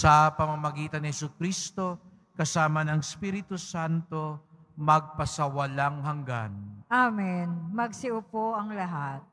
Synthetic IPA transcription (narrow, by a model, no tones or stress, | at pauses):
sɐpɐmɐmɐɡiːt̪ɐnɪhɛsʊkɾist̪o̞ | kɐsaːmɐnɐŋspiɾɪt̪usant̪o̞ | mɐɡ̚pɐsɐwɐlaŋhɐŋɡa̰nʔamɛnmɐɡ̚sɪʔʊpoʔɐŋlɐɦat̪̚